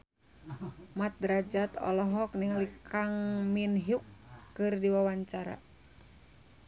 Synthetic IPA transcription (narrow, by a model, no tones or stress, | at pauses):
mat̪̚dɾad͡ʒat̪ɔ̰lɔɦɔk̚niŋlikʰaŋminɦjukːɨrdiwawaɲt͡ʃaɾa̰